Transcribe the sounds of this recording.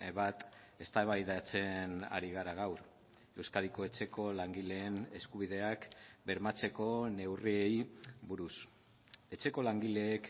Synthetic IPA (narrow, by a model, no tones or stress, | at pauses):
βat̪ | e̞st̪aβajðat͡se̞na̰ɾiɣ̞aɾaɣawɾ | e̞wskaðiko̞e̞t͡se̞ko̞laŋɡile̞ːne̞skuβ̞iðe̞akbe̞ɾmat͡se̞ko̞ne̞wrie̞jβuɾus | e̞t͡ʃe̞ko̞laŋɡile̞ːk